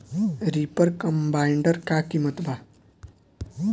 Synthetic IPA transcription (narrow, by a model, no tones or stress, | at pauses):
ɾipəɾkəmbaiɳɖəɾkakimət̪ba